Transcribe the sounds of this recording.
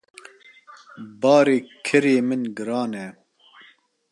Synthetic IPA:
bɑːɾeːkʰɨɾeːmɨnɡɨɾɑːnɛ

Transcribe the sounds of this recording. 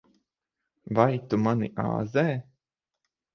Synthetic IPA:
vajt̪umanḭʔa̰ːzɛː

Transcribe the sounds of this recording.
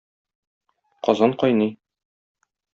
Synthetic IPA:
qɒzɑɴqɒjnɤj

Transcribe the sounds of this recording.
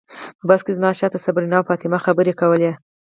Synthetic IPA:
pəbaskezmɑʃɑt̪asabɾinɑwfɑt̪ɪmaxabəɾekawəle

